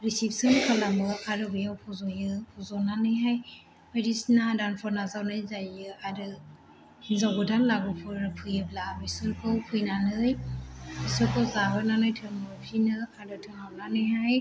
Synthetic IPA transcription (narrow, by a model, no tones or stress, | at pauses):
ɾisipsɯnkʰalamɯʔaɾɯbɯjawpʰɔzɔjɯpʰɔzɔnanɯjɦaj | medisnadanpʰɔɾnazawnɯjzajɯaɾɯ | hinzawɡɯdanlaɡɯpʰɯɾɯpʰɯjɯblabisɯnkʰɔwpʰujnanɯjbisɔkʰɔwzabɯnanɯjtʰɯŋɯpʰinɯadɯtʰɯŋawnanɯjɦaj